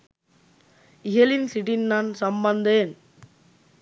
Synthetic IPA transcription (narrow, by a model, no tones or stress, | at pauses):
ɪɦɐlɪnsɪʈinnaːnsɐmbɐnd̪eːn